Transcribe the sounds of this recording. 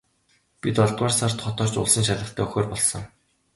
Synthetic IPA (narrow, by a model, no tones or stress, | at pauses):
pit̪ɔɮt̪̚waːrsar̥t̪χɔt̪ɔːrt͡ɕʊ̰ɮsə̆ŋʃaɮə̆χt̪ʰæːɵxoːrpɔɮsɞ̆ŋ